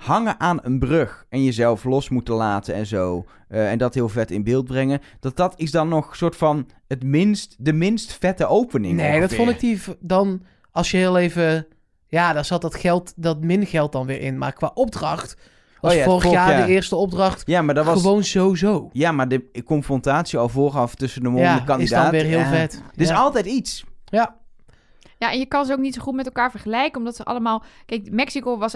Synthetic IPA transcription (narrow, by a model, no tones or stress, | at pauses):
hɑŋəʔaːnənbrøxɛnjəzɛlˠflɔsmutəlaːtəɛ̰nzow | ɛndɑtɦɪːlˠvɛtɪnbɪːlˠd̚brɛŋəd̥ɑt̚dɑtɪsdɑnːɔχsʊːɹtfɑn | ətmɪnstdəmɪnstfɛtəʔowpənɪ̰nŋejdɑtfɔnɪk̚difdɑn | ɑlˠsjəɦɪːlˠejvə | jaːdaːɹz̥ɑt̚dɑtχɛlˠtdɑtmɪnɣɛlˠt̚dɑnʋɪːɹʔɪ̰nma̰ːɹkʋa̰ːʔɔb̚drɑχt | ʋɑsfoːrəxjaːdəɪːɹstəɔb̚drɑχtjamaːdəʋownzowzowjamaɹdəkɔnfrɔntaːtsiɑlˠvoːχɑftɵsəndəmoaɑnɪisddɔnːʋɪːɹɦɪːlˠvɛtɪsɑlˠtɛjtitsja | jaʔɛnjəkɑnzowknitsoχut̚mɛtɛlˠkaːɹvəɹχəlɛjkənɔmdɑtsəʔɑ̰ləmaːlˠkɛjkmɛksikoʋɑs